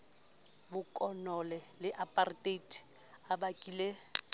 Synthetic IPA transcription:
bʊkʼɔnɔlɛlɪʔapʼartʼetʰʼi̥ | abakʼile

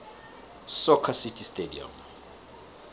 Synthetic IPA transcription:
sɔkʰasitʰʼistʼedḭa̰m

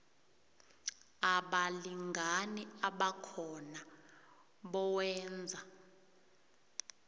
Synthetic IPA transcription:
aɓaliŋɡʱaniaɓakʰɔna | ɓɔwɛːnd͡zʱa

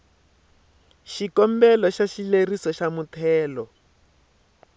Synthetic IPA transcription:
ʃikɔmbɛlɔʃaʃilerisɔʃamutʰɛːlɔ

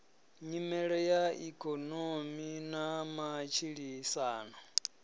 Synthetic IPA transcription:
ɲimɛɺɛjaikʼɔnominamat͡ʃʰiɺisaːnɔ

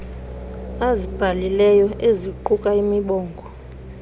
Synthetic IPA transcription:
azib̥ʱalilɛjɔeziǃukʼaimiɓɔːŋɡʱɔ

